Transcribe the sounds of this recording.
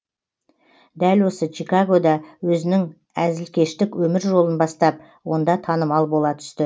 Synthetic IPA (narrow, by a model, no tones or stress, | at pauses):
d̪ælwo̞sət͡ʃikaɡo̞d̪ɑwɵzɪnɪŋ | æzɪlkʲe̞ʃt̪ɪkwɵmɪɾʒo̞lˠənbɑst̪ɑp̚ | wo̞nd̪ɑt̪ʰɑnəmɑlˠbo̞lˠɑt̪ʰʏ̥st̪ɪ